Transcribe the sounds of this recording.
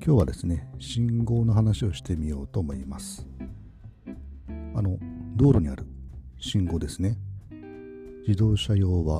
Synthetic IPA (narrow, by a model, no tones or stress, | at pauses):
kʲʰo̞ːβad̪e̞sɨne̞ɕĩŋɡo̞ːno̞ɦanaɕio̞ɕi̥t̪e̞mʲijo̞ːt̪o̞ːmo̞imasɨ̥ | ano̞d̪o̞ːɾo̞ɲ̟ia̰ɾɯ̟ɕĩŋɡo̞ːd̪e̞sɨne̞ | d͡ʑid̪o̞ːɕajo̞ːβa